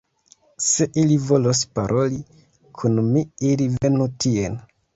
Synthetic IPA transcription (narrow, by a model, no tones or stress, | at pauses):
se̞ʔilivo̞los̬paɾʔo̞li | kʰunmiiɾive̞nutʰien